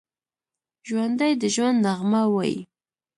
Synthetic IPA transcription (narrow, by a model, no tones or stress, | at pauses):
ʒwand̪ajd̪əʒwand̪naɣmawajḭ